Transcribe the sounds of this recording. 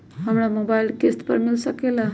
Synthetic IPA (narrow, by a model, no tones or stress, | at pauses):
ɦamɽamobailkesʈpə̰ɾmilsəkela